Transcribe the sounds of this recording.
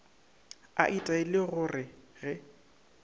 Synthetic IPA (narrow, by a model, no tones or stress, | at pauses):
a̰ʔitʼaɪlɪɣʊrɪɣɛ